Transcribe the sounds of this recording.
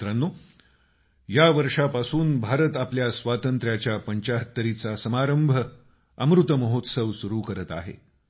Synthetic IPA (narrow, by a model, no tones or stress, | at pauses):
ɾənːo | jaʋəɾʂapasuːnbʱaɾət̪apljasʋat̪ənt̪ɾjat͡ɕjapəɲt͡ɕaɦət̪ːəɾit͡sasəmaɾəmbʱə | ə̰mɾut̪əməɦot̪səʋsuɾuːkəɾət̪a̰ɦḛ